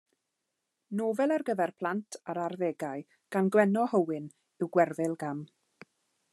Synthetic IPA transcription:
noːvɛlˠarɡəvɛrpʰl̥ˠantʰaɾarðeːɡaɨ | ɡ̥anɡwɛnɔhəwɪn | ɪwɡwɛrvɪlˠɡam

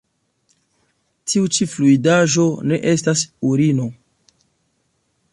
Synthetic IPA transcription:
tʰiut͡ʃifluidaʒo̞ne̞ʔe̞stasuɾino̞

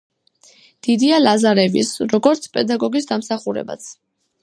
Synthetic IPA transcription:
d̪̥id̪ialazaɾɛvḭsɾɔɡɔɾt̪sʰpʼɛd̪aɡɔɡisd̪amsaχuɾɛ̰ba̰t̪sʰ

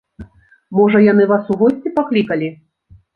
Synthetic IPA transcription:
mɔʐɐjanɨvasuɣɔsʲt͡sʲipaklʲikɐlʲi

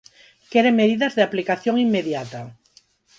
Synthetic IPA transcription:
keɾemeðiðɐzðeaplikaθjoŋimːeðjat̪a

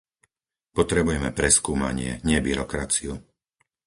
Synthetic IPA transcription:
pɔt̪ɾɛbujɛmɛpɾɛskuːma̰ɲɪɛ̰ɲɪɛbiɾɔkɾat͡siu

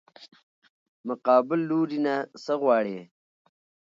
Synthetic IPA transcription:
mʊqɑːbɪlːuɾinasəɣwɑːɽe

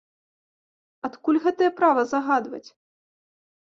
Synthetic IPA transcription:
at̪kulʲɣɛt̪ɐjɛpɾavɐzaɣad̪vɐ̰t͡sʲ

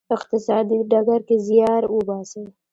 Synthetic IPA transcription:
ɪqt̪ɪsɑd̪iɖaɡaɾkezjɑɾwəbɑsə

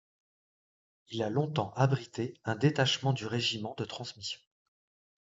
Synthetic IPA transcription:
ilalɔ̃t̪ɑ̃ʔabʁit̪eɛ̃d̪et̪aʃmɑ̃d̪yʁeʒimɑ̃d̪ət̪χɑ̃smisjɔ̃

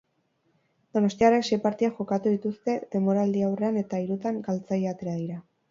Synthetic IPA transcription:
d̪̥o̞no̞st̪iareksepaɾt̪iaʝo̞kat̪uðit̪ust̪e̞ðe̞mo̞ɾald̪iawre̞ane̞t̪aiɾut̪aŋkalt͡sajeat̪e̞ɾaðiɾa

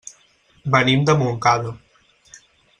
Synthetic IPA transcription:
bənimd̪əmuŋkaðo

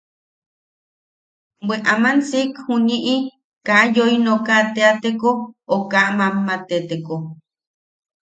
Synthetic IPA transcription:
bweʔamansikhuniʔi | kajoinokat̪eat̪ekookaʔmamːat̪et̪eko

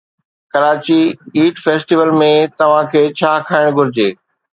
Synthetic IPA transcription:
kɐɾaːt͡ɕiiːʈfeːsʈiʋəlmẽt̪ɐʋ̤ãkʰeːt͡ɕʰaːkʰaːɪɽ̃ɡʱʊɾɪd͡ʑeː

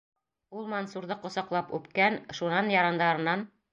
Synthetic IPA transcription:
ulˠmɐnsuɾðɤqŏsɑqlˠɑpʉ̰pkænʃunɑnjɑɾɑnd̪ɑɾɤ̆nːɑn

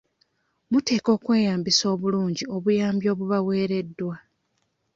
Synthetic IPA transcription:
mute̞ːko̞ːkwe̞ːjaːmbiso̞ːβuluːɲɟio̞βujaːmbjo̞ːβuβawe̞ːɾe̞dːwa

